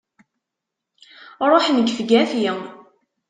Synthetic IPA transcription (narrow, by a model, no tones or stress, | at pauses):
ɾˤoħnəɡfɡæfjɪ